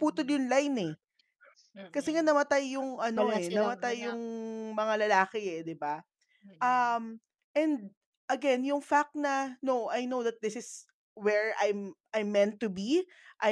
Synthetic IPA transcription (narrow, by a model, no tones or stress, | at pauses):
puːt̪oljʊnlajnɛ | kɐsɛŋanɐmɐt̪ajːʊŋʔɐno̞ɛnɐmɐt̪ajːʊŋmɐŋalɐlaːkɪɛd̪ɪba | ʔɐm | ʔɛnd̪̚ | ʔɐɡɛnjʊŋfak̚t̪nɐnoʔajnowðɐt̪̚d̪ɪsɪs | wɛɹajmʔajmːɛ̃nt̪ːubi | ʔɐ